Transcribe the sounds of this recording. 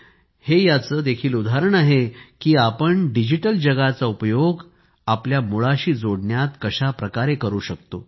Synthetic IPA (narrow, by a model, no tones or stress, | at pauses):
hejat͡səːd̪ekʰiːlud̪ʱaɾəɳaɦekiːapəɳɖid͡ʑiʈəld͡ʑəɡat͡saupjoɡ | apljamuɭaɕiːd͡zoɽɳjat̪kəɕapɾəkaɾekəɾuːɕək̚t̪o